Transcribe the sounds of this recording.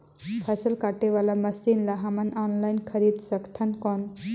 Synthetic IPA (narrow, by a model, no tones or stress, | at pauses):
pʰasəlkaʈeʋalaməsinlaɦamənanlajnkʰəɾid̪səkt̪ʰənkɔn